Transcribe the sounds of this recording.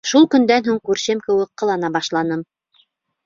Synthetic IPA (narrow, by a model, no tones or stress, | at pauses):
ʃulˠkɵ̆nd̪ænɦuɴkʉɾʃɘmkɘ̆wɘk̚qɤ̆lˠɑnɑbɑʃlˠɑnɤm